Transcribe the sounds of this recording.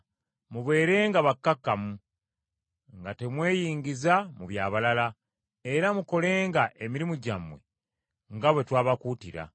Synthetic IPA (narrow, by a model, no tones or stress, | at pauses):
muβe̞ːɾe̞ːŋɡaβakːakːamu | ŋɡate̞mwe̞ːjiːɲɟizamuβjaːβalala | e̞ɾamuko̞le̞ːŋɡaʔemiɾimuɟamwe̞̰ | ŋɡaβwe̞twaːβakuːtiɾa̰